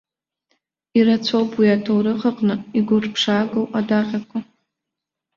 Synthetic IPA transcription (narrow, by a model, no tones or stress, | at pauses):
iɾat͡sʷʰowpwiatʰowɾɨʁəqʼnɨiɡʷʊrpʰʂaːɡowadaqʲʼakʷʰa